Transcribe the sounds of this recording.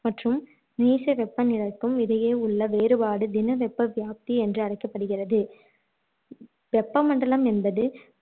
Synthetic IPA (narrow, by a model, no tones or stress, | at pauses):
mɐʈrɯm | niːsɐʋɛpːɐnɪɻɐkːɯmɪðɐjeːʊɭːɐʋeːɾɯbaːɽɯd̪ɪnɐʋɛpːɐʋjaːp̚t̪iɛndrɯɐɽɐɪkːɐpːɐɽɯɣɪrɐðɯ | ʋɛpːɐmɐɳɖɐɭɐmɛnbɐðɯ